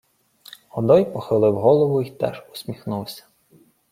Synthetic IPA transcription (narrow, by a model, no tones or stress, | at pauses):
ɔd̪ɔjpɔxɪlˠɪwɦɔlˠɔʋʊit̪ɛ̰ʒʊ̥sʲmʲixnulˠsʲɐ̥